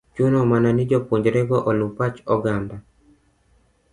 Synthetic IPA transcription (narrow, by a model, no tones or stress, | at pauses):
t͡ʃunɔmananid͡ʒɔpuɲd͡ʒɾɛɡɔʔɔlupat͡ʃɔɡanda